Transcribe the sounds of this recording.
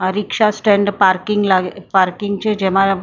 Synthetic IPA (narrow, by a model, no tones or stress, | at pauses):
ɾikʂasʈɾẽɳɖpaɾkiŋɡlaɡpaɾkiŋɡt͡ɕed͡ʑɛʋ̤a